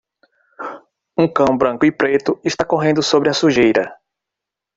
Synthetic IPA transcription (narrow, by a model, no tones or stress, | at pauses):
ũkɐ̃w̃bɾɐ̃ŋkʊɪpɾet̪ʊɪʃt̪akoɦẽnd̪ʊsobɾɪɐsuʒejɾɐ